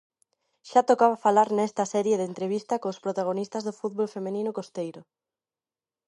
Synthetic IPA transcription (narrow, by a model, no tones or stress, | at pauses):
ʃat̪okaβafalaɾnɛst̪ɐsɛɾjeðent̪ɾeβ̞ist̪ɐkoːspɾot̪aɣ̞onist̪ɐzðʊfuðβolfemenĩnʊkost̪ejɾʊ